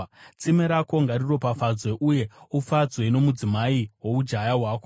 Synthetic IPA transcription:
t͡simeɾako̞ŋɡariro̞pafad͡zwe̞ʔuje̞ufad͡zweino̞mud͡zimaiɦwo̞ud͡ʒajaɦwaːko

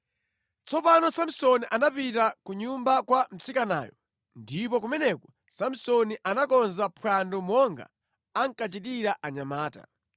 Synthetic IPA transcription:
t͡sʰɔpanɔsam̩sɔniʔanapitakuɲumbakwam̩t͡sikana̰ːjɔ | ndipɔk̬umɛnɛkɔ | sam̩sɔniʔanakɔnzapʰwandɔmɔŋɡa̰ | aŋkat͡ʃitiɾaʔaɲamaːta̰

